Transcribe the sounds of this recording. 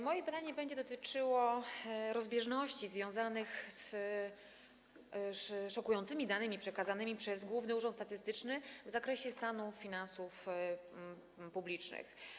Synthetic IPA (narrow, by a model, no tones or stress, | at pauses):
mɔjɛbat̪aɲɛbɛɲd͡ʑɛd̪ɔt̪ɘt͡ʂɘwɔɾɔzbʲjɛʐnɔɕt͡ɕizvʲjɔ̃w̃zanɘxs | ʂʂɔkujɔnt̪sɘmʲid̪anɘmʲipʂɛkazanɘmʲipʂɛzɡwuvnɘuʐɔnt̪st̪at̪ɘst̪ɘt͡ʂnɘvzakɾɛɕɛst̪anufʲinansuf | publʲit͡ʂnɘ̰x